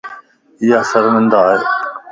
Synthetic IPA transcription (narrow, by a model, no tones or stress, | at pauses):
ɪjaːsəɾʋə̃nd̪aːe